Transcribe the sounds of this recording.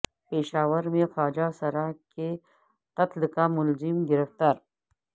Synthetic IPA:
peːʃaːwəɾmẽxaːd͡ʒasɐɾaːke | t̪ɐt̪lkamʊlzɪmɡɪɾəft̪aːɾ

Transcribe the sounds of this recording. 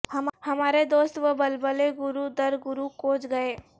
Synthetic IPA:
hɐmhɐmaːɾed̪oːst̪ʋəbɐlbəleɡʊɾud̪ɐɾɡʊɾukoːt͡ʃɡɐeː

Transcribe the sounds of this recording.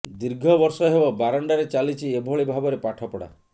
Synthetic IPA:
d̪iɾɡʱɔbɔɾsɔɦebɔbaɾɔɳɖaɾet͡ʃalit͡ʃʰiebʱɔɭibʱabɔɾepaʈʰɔpɔɽa̰

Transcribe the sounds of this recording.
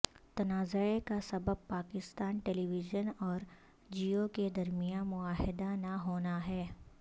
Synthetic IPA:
t̪ɐnaːzəekasɐbəb̚paːkɪst̪aːnʈeːliʋɪʒənɔːɾ | d͡ʒioked̪ɐɾmijanmʊaːɦɪd̪anaɦoːnaɦɛː

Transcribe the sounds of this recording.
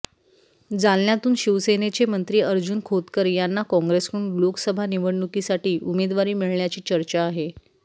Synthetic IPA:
d͡zalnjat̪uːnɕiʋsenet͡ɕemənt̪ɾiːəɾd͡ʑuːnkʰot̪kəɾjanːakɔ̃ŋɡɾeskəuɳloksəbʱaniʋəɽɳukisaʈiːʔumed̪ʋaɾiːmiɭɳjat͡ɕiːt͡ɕəɾt͡ɕaːɦe

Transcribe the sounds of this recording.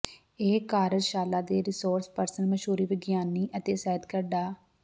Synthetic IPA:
eːkaːɾəd͡ʒʃaːlaːd̪eːɾɪsoːɾspəɾsənməʃuːɾiːʋɪɡjaːnːiːʔət̪eːsɛːəd̪kəɾɖaː

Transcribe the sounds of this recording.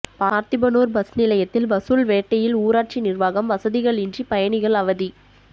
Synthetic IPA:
paːɾt̪ɪbɐnoːɾbɐsnɪlɐjɐt̪ːɪlbɐsulʋeːʈːɐjɪluːɾaːʈ̚t͡ʃinɪrʋaːɣɐmʋɐsɐðɪɣɐɭɪndripɐjɐɳɪɣɐɭɐʋɐði

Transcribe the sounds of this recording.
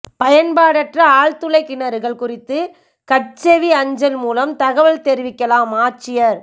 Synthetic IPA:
pɐjɐnpaːɽɐʈrɐaːɻt̪ɯlɐɪkːɪnɐɾɯɣɐɭkʊrɪt̪ːɯ | kɐʈt͡ʃeʋiɐɲd͡ʒɐlmuːlɐmt̪ɐɣɐʋɐɭt̪ɛɾɪʋɪkːɐlaːmaːt͡ʃːɪjɐɾ

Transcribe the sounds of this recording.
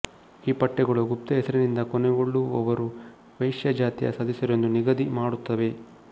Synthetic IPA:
iːpɐʈːɛɡɐɭuɡupt̪ɐɦɛsɐɾɐnind̪ɐkɔnɛɡoɭːuɔʋɐɾu | ʋɐjʂjɐd͡ʒaːt̪ijɐ̰sɐd̪ʱisɐɾond̪uniɡɐd̪imaːɽut̪ːɐʋe̞

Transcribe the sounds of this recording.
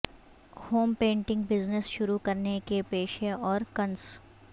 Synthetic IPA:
hoːmpẽːɳʈɪ̃ŋɡbɪznəsʃʊɾukɐɾnekepeːʃeɔːɾkɐns

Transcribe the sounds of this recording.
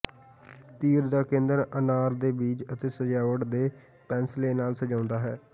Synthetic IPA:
t̪iːɾd̪aːkẽːnd̪əɾənaːɾd̪eːbiːd͡ʒət̪eːsəd͡ʒaːʋəʈd̪eː | pɛ̃ːnsleːnaːlsəd͡ʒãːʊnd̪aːɦɛː

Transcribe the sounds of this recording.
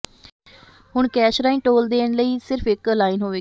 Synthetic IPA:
ɦʊɳkɛːʃɾaːĩːʈoːld̪eːɳ̃ləiːsɪɾpʰɪkəlaːinɦoːʋeː

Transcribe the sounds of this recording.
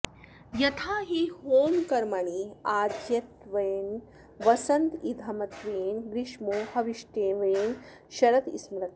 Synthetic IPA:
jɐt̪ʰaːɦihoːmkɐɾmaɳiaːɾd̪ʱjɐt̪ʋɐjn | ʋɐsɐnt̪id̪ʱɐmɐt̪ʋeːnɡɾiʂmoːɦɐʋiʂʈeːʋɐen | ʃɐɾɐt̪ḭsmɾɐt̪̚

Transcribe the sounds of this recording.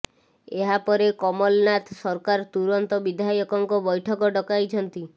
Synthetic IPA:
eɦapɔɾekɔmɔlnat̪ʰsɔɾkaɾt̪uɾɔnt̪ɔbid̪ʱajɔkɔŋkɔbɔjʈʰɔkɔɖɔkajt͡ʃʰɔnt̪i

